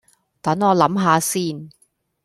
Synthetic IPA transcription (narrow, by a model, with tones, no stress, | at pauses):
t̪ɐ˨˥ŋɔː˨˧lɐ˨˥mɦaː˨˧siː˥˩n